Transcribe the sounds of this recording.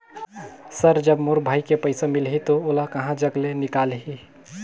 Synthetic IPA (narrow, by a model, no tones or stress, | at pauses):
səɾd͡ʒəbmoɾbʱaːjkepəɪsamilɦit̪oolakəɦãd͡ʒəɡlenikalɦi